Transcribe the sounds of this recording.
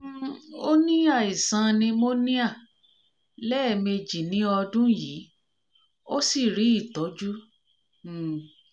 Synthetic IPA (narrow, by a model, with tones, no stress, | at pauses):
o˦nĩ˦a˦˨i˨sã˧nĩ˧mo˦nĩ˦a˦˨ | lɛː˦˨me˧d͡ʒi˨nĩ˨˦ɔ˧dũ˦jiː˨˦ | o˦si˦˨ɾi˨˦i˦˨tɔ˨˦d͡ʒu˦˨